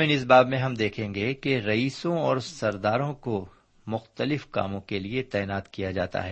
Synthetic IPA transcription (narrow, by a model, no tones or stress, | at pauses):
mɪnɪs̬baːbmẽɦɐmd̪eːkʰẽːŋɡekeɾɐiːsõɔːɾsɐɾd̪aːɾõko | mʊxt̪əlɪfka̰ːmõkeliet̪ɛːnaːt̪kijad͡ʒa̰ːt̪a̰ɦɛː